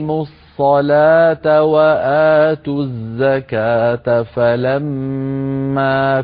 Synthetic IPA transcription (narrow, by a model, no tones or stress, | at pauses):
mʊsˤːɑlaːt̪awaʔaːt̪uzːakaːt̪afalamː | aː